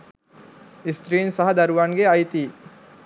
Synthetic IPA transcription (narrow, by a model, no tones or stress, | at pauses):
ist̪ɾiːnsɐɦɐd̪ɐɾuʋaːŋɡeɐjt̪iː